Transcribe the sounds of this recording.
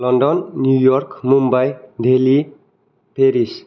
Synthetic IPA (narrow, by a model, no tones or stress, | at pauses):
lɔnɖɔnːjujɔrkmumbajɖ̪ʱeli | peɾis